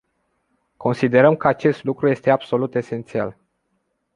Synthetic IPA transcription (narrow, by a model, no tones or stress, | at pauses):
kʰo̞nsid̪e̞ɾəmkəat͡ʃe̞st̪lukɾuje̞st̪eabso̞lut̪e̞se̞nt̪sia̰l